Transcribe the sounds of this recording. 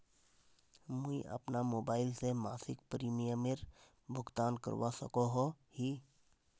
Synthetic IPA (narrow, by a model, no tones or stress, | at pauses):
mʊḭʔɐ̰pnamoːbaːɪlsemaːsɪkpɾiːmijəmɪɾ | bʱʊɡt̪aːnkə̰ɾwasə̰koɦo | hiː